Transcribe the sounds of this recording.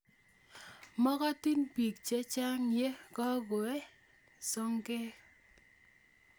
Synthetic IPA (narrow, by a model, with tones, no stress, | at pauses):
mɔ˦kɔ˦ti˦npi˨k̚t͡ʃe˦t͡ʃa˦ŋje˦kɔ˦ɡo˨ɛ˦ | sɔ˦ŋkɛ˦